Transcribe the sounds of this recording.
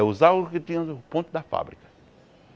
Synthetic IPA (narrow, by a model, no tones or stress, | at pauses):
ɛʊzaɡskɪt̪ĩɐ̃põnt̪ʊd̪ɐfa̰bɾikɐ̥